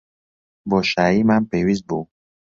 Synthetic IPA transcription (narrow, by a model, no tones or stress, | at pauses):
bɔʃaimanpewizbu